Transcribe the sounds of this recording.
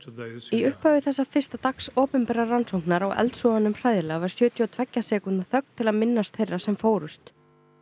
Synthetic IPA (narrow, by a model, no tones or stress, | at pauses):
iʏhpaɥvɪθɛsːafɪr̥st̪at̪aksɔːpʏmpɛɾaransowhŋ̥knaɾawʔɛ̰lt̪sɔanːʏmfraːjðɪlavaɾ̥sjœːt̪ʰjɔt̪ʰvɛcːasɛːkʏnt̪aθœk̚nt̪ʰːɪlaðmɪnːast̪θejrasɛmfoːwɾʏst̪